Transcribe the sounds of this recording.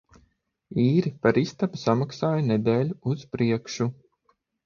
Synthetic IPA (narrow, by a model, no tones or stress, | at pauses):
iːɾipaɾist̪apsamaksaːjɐnɛd̪eːlʲuuz̥pɾiɛkʃu